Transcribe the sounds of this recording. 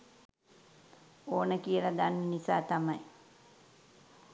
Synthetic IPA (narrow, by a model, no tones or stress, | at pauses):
oːnəkijəlaɡ̪anːinisaːt̪amaj